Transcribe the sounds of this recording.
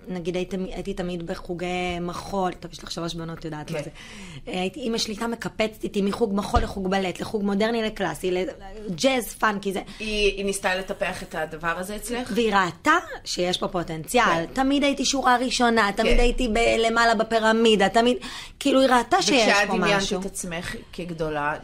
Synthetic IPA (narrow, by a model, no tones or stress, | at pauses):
naɡid̪aitimiajititamidbeχuɡejmaχo̞lt̪aviʃlaχʃaloʃbono̞t̪jodaːt̪maze | ajitiimaʃlitame̞kapet͡stitimiχuɡmaχo̞leχuɡbaletleχuɡmo̞deʁnileklasiled͡ʒezfankizeiinist̪aletapeaχet̪ad̪avaʁazeːt͡sleχveiʁaːt̪aʃejeʃbo̞po̞tent͡sjaltamid̪ajitiʃuʁaʁiʃo̞nat̪amidajitibele̞malabepiʁamidatamidkiiluiʁaːtaʃejeaʃdpoimajaʃeut̪at͡smeχkeɡdola